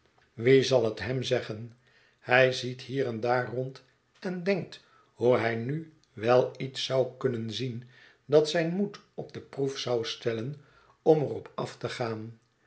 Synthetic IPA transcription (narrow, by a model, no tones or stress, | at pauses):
ʋizɑlˠətɦɛmzɛχən | hɛjzitɦiːɾɛndaːrɔnt | ɛndɛŋk̚t | huɦɛjny | ʋɛlˠitsɑwkɵnənzin | dɑtsɛjnmutɔp̚dəprufsɑwstɛlən | ɔmərɔpɑftəχaːn